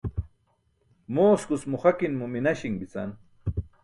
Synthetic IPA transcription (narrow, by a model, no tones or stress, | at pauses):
moːskʊsmʊχakinmʊminaʃiŋbit͡sa̰n